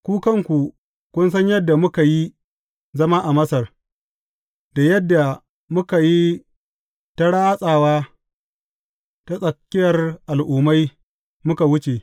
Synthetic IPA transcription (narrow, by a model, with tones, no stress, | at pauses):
kʷuː˦kɐ˦ŋkʷu˨ | kʷʊ˦nsɐ˦ɲjɐ˦dːa˨mʊ˦ka˨ji˦ | zɐ˦maː˦ʔa˨mɐ˦sɐ˨r | da˨jɐ˦dːa˨ | mʊ˦ka˨ji˦ | ta˦ɽaː˦sʼaː˨waː˦ | ta˦sʼɐ˨kʲːɪ˦jɐ˨rʔa˨lʔʊː˨ma˦j | mʊ˦ka˨wʊ˦t͡ʃe˨